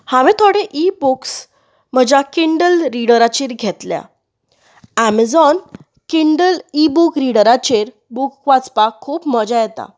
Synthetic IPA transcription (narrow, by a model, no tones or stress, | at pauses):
hãʋẽt̪ʰoɽeʔibuks | m̤əd͡ʑakiɳɖəlɾiɽəɾat͡ɕiɾɡʱɛt̪lja̰ | æməd͡zɔn | kiɳɖəlibukɾiɽəɾat͡ɕeɾ | bukːʋat͡spakʰːuːpmɔd͡ʑajɛt̪a̰